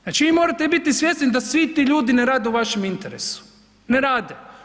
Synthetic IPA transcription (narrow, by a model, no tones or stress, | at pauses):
znat͡ʃiʋimoːɾat̪ebit̪isʋjest̪nid̪asʋit̪iːʎuːd̪ineɾaːd̪euʋaʃemint̪eɾesu̥ | neɾaːd̪e